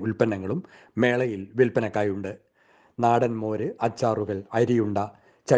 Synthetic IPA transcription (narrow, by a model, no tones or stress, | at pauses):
ulpɐnɐŋːɐɭumː | e̞ːɭɐjilʋilpɐnɐkːaːjuɳɖɨ | naːɽɐnmo̞ːɾɨʔɐt͡ɕːaːruɣɐɭɐjɾijuɳɖɐ | t͡ɕɐ